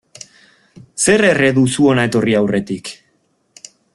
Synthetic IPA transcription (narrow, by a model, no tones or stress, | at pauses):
se̞rere̞ðusuo̞nae̞t̪o̞riawre̞t̪ik